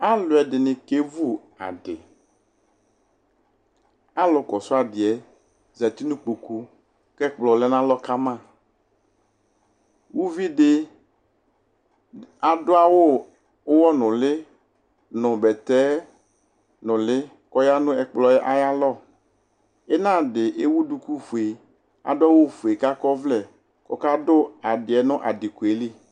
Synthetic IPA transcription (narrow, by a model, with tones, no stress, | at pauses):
a˦lʊ˨ɛ˨dɪ˨nɪ̃˨ke˦vu˦ | a̰˨ɖɪ˨ | a˦lɔ˨kɔ˨sʊ˦a˨dɪ˨ɛ˨ | zɛ˨t̪i˦nũ˦k͡po˨ku˦ | kɛ˦k͡plɔ˨lɛ˦nã˦lɔ˦ka˦mã˦˨ | wu˦vi˦ɖɪ˦ | a˨dʊ˦a˦wo˦ | wɔ˦nʊ̃˨lɪ˦ | nʊ̃˨bɛ˨t̪ɛ˦ | nʊ̃˨lɪ˦ | kɔ˦ja˦nʊ̃˦ɛ˨k͡plɔ˨ɛ˦ʔa˦ja˦lɔ˦ | ɛ˦nã˦˨dɪ˨ʔe˦wu˦du˨ku˦fu˨e˨ | a̰˨dʊ˦a˦wo˦fu˨e˨ka˦kɔ˦vlɛ˨ | kɔ˦ka˦dʊ˦a˨dɪ˨ɛ˨nʊ̃˦ʔa˨dɪ˨ku˨e˨˦li˦